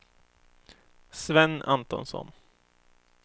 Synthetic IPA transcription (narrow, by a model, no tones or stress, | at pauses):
svɛnːa̰nt̪ɔnsɔ̰n